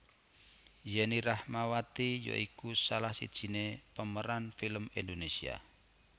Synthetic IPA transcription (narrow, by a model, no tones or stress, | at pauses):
jɛnirahmawat̪ijo̰ʔikusalahsḭd̥ʒ̥i̤nepəməɾanfiləmind̪onesia̰